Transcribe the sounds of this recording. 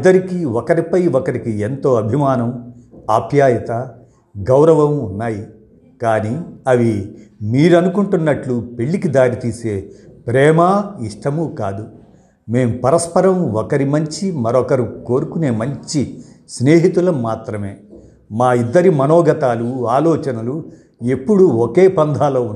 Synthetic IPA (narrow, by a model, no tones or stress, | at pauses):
d̪ːɐɾikiɔkɐɾipɐjɔkɐɾikient̪o̞ːɐbʱimaːnɐmaːbʰʱjaːjɐt̪ɐ | ɡɐwɾɐʋɐmunːaːji | kaːniɐʋimiːɾɐnukuɳʈunːɐʈlupeɭːikid̪aːɾit̪iːse̞ːpɾɛːmɐiʂʈɐmukaːd̪u | me̞ːmupɐɾɐspɐɾɐmɔkɐɾimɐɲt͡ʃimɐɾɔkɐɾuko̞ːɾukune̞ːmɐɲt͡ʃisne̞ːɦit̪ulɐmːaːt̪ɾɐme̞ː | maːid̪ːɐɾimɐnɔːɡɐt̪aːluaːlɔːt͡ʃɐnɐlu | e̞pːuɽuɔke̞ːpɐnd̪ʱaːloː